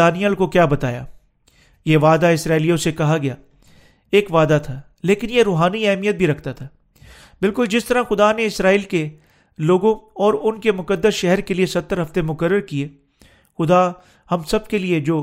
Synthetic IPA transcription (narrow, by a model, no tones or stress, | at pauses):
aːnijəlkokjaːbɐt̪aːja̰ː | jeʋaːd̪aɪsɾaːilijõsekɐɦaɡɐjaː | eːkʋaːd̪at̪ʰaː | leːkɪnjeɾoːɦaːniɛɦmijət̪̚bʱiɾɐkʰt̪at̪ʰaː | bɪlkʊld͡ʒɪst̪ɐɾaxʊd̪aneɪsɾaːiːlke | loːɡõɔːɾʊnkemʊkəd̪ːəsʃɛɦɛɾkeliesɐt̪ːəɾɦɐft̪emʊkəɾːəɾkie | xʊd̪a | hɐmsɐb̚kelied͡ʒoː